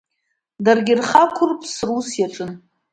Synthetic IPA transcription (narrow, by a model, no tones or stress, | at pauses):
darɡʲɪrχakʷʰʊrpʰʼsrusjaʈ͡ʂʼɨn